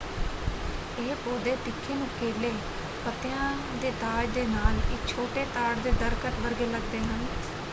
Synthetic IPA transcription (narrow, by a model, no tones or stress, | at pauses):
eːpoːd̪eːt̪ɪkʰːeːnũːkeːleː | pət̪ɪjãː | d̪eːt̪aːd͡ʒd̪eːnaːlɪk̚t͡ʃʰoːʈeːt̪aːɽd̪eːd̪əɾkəʈ̪ʋəɾɡeːləɡd̪eːɦən